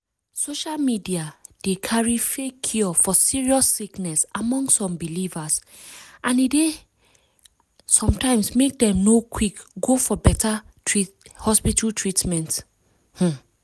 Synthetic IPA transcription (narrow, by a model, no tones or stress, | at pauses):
soʃalmidiad̥ekʰaɹifekʰːɔfɔsiɹiɔsːiknɛsamɔ̃ŋsːɔ̃mbilivas | ʔãnide | sɔ̃mtãɪ̃msmek̚dɛ̃mnokʰwikɡofɔbɛta | tɹihɔspitaltʰɹitmɛ̃nt | h̩